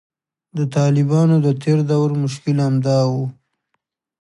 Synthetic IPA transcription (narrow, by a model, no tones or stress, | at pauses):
d̪ət̪ɑlɪbɑnod̪ət̪ʰeɾd̪awɾmʊʃ̬kɪlamd̪ɑwu